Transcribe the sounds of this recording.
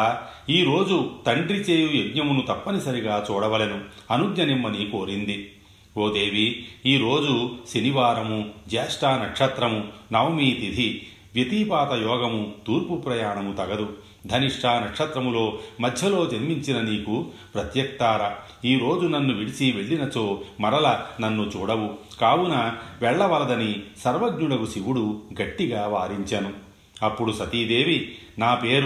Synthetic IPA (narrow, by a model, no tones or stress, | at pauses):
iːɾo̞ːd͡ʒut̪ɐɳɖɾit͡ʃeːjujeɡɲɐmunut̪ɐpːɐnisɐɾiɡaːt͡ʃuːɽɐʋɐlenuɐnuɡɲɐnimːɐniko̞ːɾind̪i | oːd̪e̞ːʋiiːɾo̞ːd͡ʒuseniʋaːɾɐmud͡ʒɛːʂʈaːnɐkʂɐt̪ɾɐmunɐwmiːt̪id̪ʱi | ʋjet̪iːpaːt̪ɐjɔːɡɐmut̪uːɾpupɾɐjaːɳɐmut̪ɐɡɐd̪u | d̪ʱɐniʂʈʰaːnɐkʂɐt̪ɾɐmulo̞ːmɐd̪ʱjɐlo̞ːd͡ʒɐɾmiɲt͡ʃinɐniːkupɾɐt̪jɐk̚t̪aːɾɐ | iːɾo̞ːd͡ʒunɐnːuʋiɽisiʋeɭːinɐt͡ʃo̞ːmɐɾɐlɐnɐnːut͡ʃuːɽɐʋukaːwunɐʋɛɭːɐʋɐlɐd̪ɐnisɐɾʋɐɡɲuɽɐɡusiʋuɽuɡɐʈːiɡaːʋaːɾiɲt͡ʃɐnu | ɐpːuɽusɐt̪iːd̪e̞ːʋi | naːpe̞ːɾu